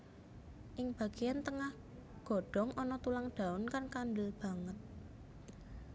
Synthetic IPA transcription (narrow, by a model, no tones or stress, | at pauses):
ʔɪŋb̥ä̤ɡ̥ejant̪əŋah | ɡ̥ɔ̤ɖ̥ɔ̤ŋʔɔnɔt̪ulaŋɖ̥a̤ʊnkarnkambɪlb̥a̤ŋət̪̚